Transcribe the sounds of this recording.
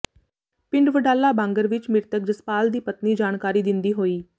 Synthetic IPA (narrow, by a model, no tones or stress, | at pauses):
pɪ̃ɳɖʋəɖaːlːaːbãːŋɡəɾʋɪt͡ʃmɪɾt̪ək̚d͡ʒəspaːld̪iːpət̪niːd͡ʒaːnkaːɾiːd̪ɪnd̪iːɦoːiː